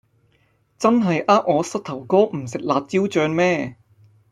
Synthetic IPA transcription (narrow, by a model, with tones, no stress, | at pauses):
t͡sɐ˥nɦɐ˨jʔaː˥p̚ʔɔː˨˧sɐ˥t̚t̪ʰɐ˨˩wkɔː˥m̩˨˩sɪ˨k̚laː˨˧t̚t͡si˥wt͡ʃœː˧ŋmɛː˥